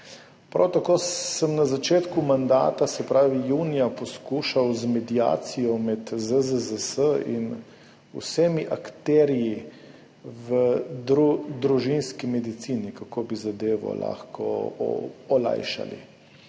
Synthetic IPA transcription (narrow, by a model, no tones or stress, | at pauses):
pɾa̰wt̪akoːsəmnazat͡ʃeːt̪kumand̪a̰ːt̪asɛpɾaːʋijuːnijapɔskuːʃawzmɛd̪ija̰ːt̪sijɔmɛt̪zəzəzəsəḭn | ṵsemiʔakt̪ɛːɾiji | ʋəd̪ɾud̪ɾuʒinskimɛd̪it̪siːnikakoːbizad̪eːʋɔ̰la̰ːxkɔ̰ | ɔla̰jʃa̰lḭ